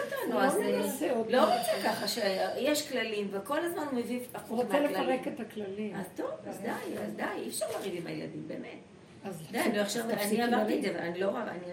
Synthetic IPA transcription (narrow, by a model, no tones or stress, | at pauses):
atanaeseodloʁot͡sekaχaʃejeʃklalimveko̞lazmanmevivaχuomelelaʁeketaklaliazt̪ovazd̪ajazdajifʃaʁlaʁivima̰jela̰dimbeːme̞t | azd̪ajloaχʃavaniamaʁt̪idzevalanilo̞ʁaa̰ni